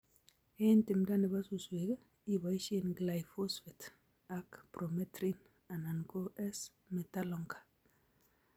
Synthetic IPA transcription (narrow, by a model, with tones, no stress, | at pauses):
e˦ntɪ˨mda˦nɪ˨ba˦su˨swe˨ɡ | i˨ba˨i˦ʃe˦nɡla˨jfo˦sfi˨t | a˨kpɾo˨mɛ˦tɾi˦n | a˨na˨nko˦ʔɛ˦s | mɛ˨ta˦lɔ˨ŋkḁ˨